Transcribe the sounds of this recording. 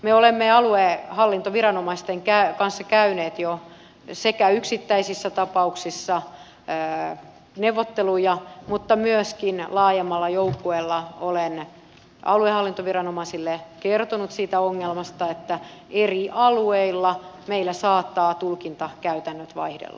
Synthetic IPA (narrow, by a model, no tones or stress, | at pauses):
meolemːeɑluehɑlːint̪oʋirɑnomɑist̪eŋkækɑnsːɑkæyneːt̪jo | sekæyksit̪ːæisisːæt̪ɑpɑuksisːɑ | newʋot̪ːelujɑmut̪ːɑmyøskinlɑːjemːɑlːɑjoukːuelːɑolen | ɑ̰luehɑlːint̪oʋirɑnomɑsilːekert̪onut̪siːt̪æoŋːelmɑst̪ɑet̪ːæ | eriʔɑlueilːɑmeilːæsɑːt̪ːɑːt̪ulkint̪ɑkæyt̪ænːøt̪ʋɑ̰ihdḛlːɑ̰